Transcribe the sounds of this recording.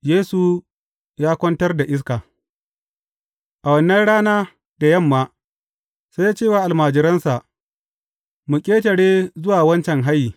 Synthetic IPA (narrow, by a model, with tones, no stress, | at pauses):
jeː˦su˨ | jaː˦kʷɔ˦ntɐ˦rda˨ʔɪ˦s̬kaː˨ | ʔa˨wɐ˨nːɐ˦nɽaː˦naː˦ | da˨jɐ˦˨mːaː˦ | sa˦jːaː˦t͡ʃeː˦waː˨ʔa˨lmaː˨d͡ʒɪ˨ɾɐ˦nsa˨ʔ | mu˨kʲʼeː˦tɐ˨ɽeː˦zʊ˦waː˨wɐ˦nt͡ʃɛ˨ŋɦa˦jːiː˨